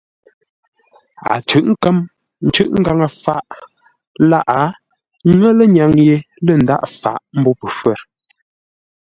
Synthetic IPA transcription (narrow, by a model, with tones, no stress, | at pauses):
a̰˨t͡ʃʉ˨ʔŋ̩˦kə˦m | n̩˦t͡ʃʉ˦ʔŋ̩˦ɡa˨ŋə˨fa˦˨ʔ | la˦ʔa˨˦ | ŋə˦lə˦ɲa˨ŋje˨ | lə˦˨n̩˨da̰˦ʔfa̰˨ʔm̩˦bɔ˦pə˨fwɛ˦˨ɾ